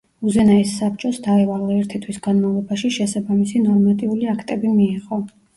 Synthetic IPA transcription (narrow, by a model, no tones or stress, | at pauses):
uzɛnaisːap̚ʰt͡ʃʼɔsd̪aɛvalɛːɛɾt̪ʰit̪ʰwisɡanmavlˠɔbaʃiʃɛsabamisinɔɾmat̪ʼiuliakʰt̪ʼɛbimiːʁɔ